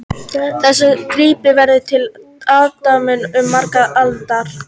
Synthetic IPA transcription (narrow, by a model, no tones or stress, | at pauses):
θɛsːʏkɾiːpɪvɛɾðʏt̪ʰɪl | aːðt̪amɪnʏmːaɾkaðalt̪aɾ̥